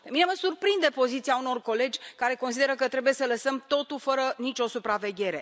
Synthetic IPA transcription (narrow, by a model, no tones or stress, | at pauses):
pe̞mineməsurpɾind̪e̞po̞zit̪siauno̞rko̞le̞d͡ʒʲkaɾe̞ko̞nsid̪e̞ɾəkət̪ɾe̞buje̞sələsəmt̪o̞t̪ulfəɾənit͡ʃʲo̞supɾave̞ɡʲe̞ɾe̞̰